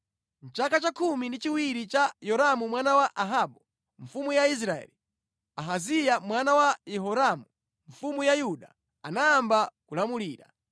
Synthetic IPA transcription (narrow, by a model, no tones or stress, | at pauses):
n̩t͡ʃakat͡ʃakʰumindit͡ʃiwiɾit͡ʃajɔɾamumwanawaʔaɦaɓɔ | ɱfumujais̬ɾaɛ̰li | aɦazijamwanawajɛɦɔɾamu | ɱfumujajuɗa | anaːmbakulamuliːɾa̰